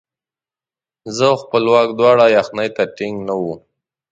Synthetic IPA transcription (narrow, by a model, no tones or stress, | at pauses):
zəxpəlwɑk̚d̪wɑɽajaxnajt̪aʈɪŋɡnawu